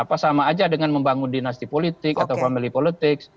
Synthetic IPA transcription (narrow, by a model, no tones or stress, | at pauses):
apasamaːd͡ʒadəŋanməmbaŋundinast̪ipolit̪ɪkat̪awfamilipolit̪ɪks